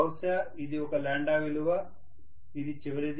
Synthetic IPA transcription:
ɐwsɐ | id̪iɔkɐlaːɳɖaːʋiluʋɐ | id̪it͡ʃiʋɐɾid̪

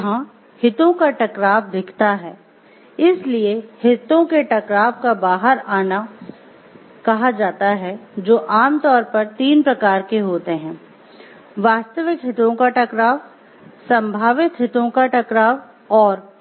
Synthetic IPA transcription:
ɦã | hɪt̪õkaʈɐkɾaːʋ̚d̪ɪkʰt̪aɦɛː | ɪsliehɪt̪õkeʈɐkɾaːbkabaːɦəɾaːna | kɐɦad͡ʒaːt̪aɦɛd͡ʒoːʔaːmt̪ɔːɾpɐɾt̪iːnpɾɐkaːɾkeɦoːt̪eɦɛ̃ː | ʋaːst̪əʋɪkɦɪt̪õkaʈɐkɾaːʋ | sɐ̃mbʱaːʋɪt̪ɦɪt̪õkaʈɐkɾaːʋ | ɔːɾ

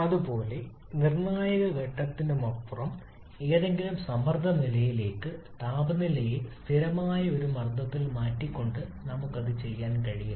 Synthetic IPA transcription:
ɐðupo̞ːle̞ | nirɳaːjɐɣɐʋeʈːɐt̪ːindemɐrpːurɐm | e̞ːðe̞ŋɡilumsɐmɐrd̪ʱɐnilɐjile̞ːkːɨt̪aːbɐnilɐjisst̪ʰiɾɐmaːjɐo̞ɾumɐrd̪ʱɐt̪ːilmaːʈːikʲːo̞ɳɖɨnɐmukːɐðɨt͡ɕe̞jːaːnkɐɻiju

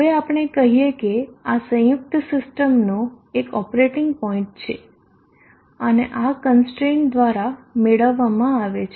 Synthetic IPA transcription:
ɦəʋeapəɽ̃ekəɦijekeasə̃jʊk̚t̪sɪsʈəmno | ekɔpɾeʈɪŋɡ̚pɔĩɳʈ̚t͡ʃʰḛ | əneʔakənsʈɾend̪ʋaɾameɭəʋːamãaʋet͡ʃʰ

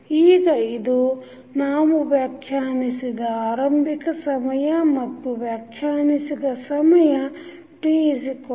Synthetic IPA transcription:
iːɡɐid̪o | naːmuʋjaːkʰjaːnisid̪ɐaːɾɐmbʱikɐsɐmɐjɐmɐt̪ːuʋjaːkʰjaːnisid̪ɐsɐmɐjɐ | ʈiːzk

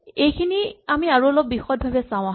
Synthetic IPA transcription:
ejkʰiniamiaɹuɔlɔp̚ːixɔt̚bʱabɛsãw̃aɦ

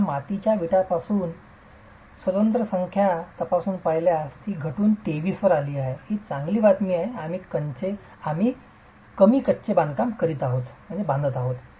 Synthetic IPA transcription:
mat̪it͡ɕjaʋiʈapasuːn | sʋət̪ənt̪ɾəsəŋkʰjat̪əpasuːnpaɦiljast̪iːɡʱəʈuːnt̪eʋiːsʋəɾaliːaɦeɦit͡sãŋɡliːʋat̪miːaɦeamiːkəɲt͡se | am̤iː | kəmiːkətːt͡ɕebãnd̪kamkəɾiːt̪aɦot̪m̤əɳd͡zebãnd̪ət̪aɦot̪

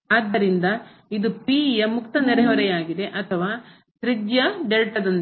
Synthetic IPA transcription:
aːd̪ɐɾind̪ɐ | id̪upiːjɐmukt̪ɐneɾɐɦɐʋɐɾɛjaːɡid̪e̞ʔɐt̪ʰɐʋaː | sɾidjɐɖelʈɐd̪ɐn

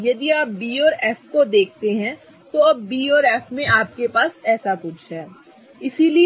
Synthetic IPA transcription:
jɐd̪iaːp̚biːɔːɾɛːfkod̪eːk̚ʰt̪eɦɛ̃ | t̪oɐb̚ːiːɔːɾɛːfmẽʔaːp̚kepaːsɛːsakʊt͡ʃʰɦɛː | ɪsili

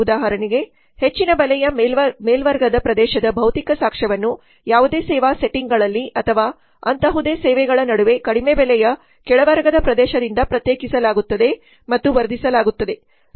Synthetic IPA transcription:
ud̪aːɦɐɾɐniɡe̞ | het͡ʃːinɐbɐlɛjɐmeːlʋɐɾɡɐd̪ɐpɾɐd̪ɛːʃɐd̪ɐbʱɐwt̪ikɐsaːkʂɐʋɐnːu | jaːʋud̪e̞ːsɛːʋaːse̞ʈiŋɡɐɭɐlːiʔɐt̪ʰɐʋaː | ɐ̰nt̪ɐɦud̪e̞ːsɛːʋɛɡɐɭɐnɐɽuʋe̞kɐɽimebɛlɛjɐ | kɛɭɐʋɐɾɡɐd̪ɐpɾɐd̪ɛːʃɐd̪ind̪ɐpɾɐt̪jeːkisɐlaːɡut̪ːɐd̪e̞ | mɐt̪ːuʋɐɾd̪ʱisɐlaːɡut̪ːɐd̪e̞

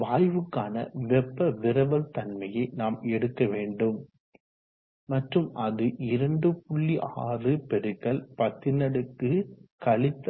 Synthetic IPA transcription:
ʋaːjʋɯkːaːnɐ̰ʋɛpːɐʋɪɾɐbɐlt̪ɐnmɐjɐɪnaːmɛɽɯkːɐʋeːɳɖɯm | ɐʈrɯmʔɐðɯʔɪɾɐɳɖɯpʊɭːiʔaːrɯpɛɾɯkːɐlpɐt̪ːɪnɐɽɯkːɯkɐɭɪt̪ː

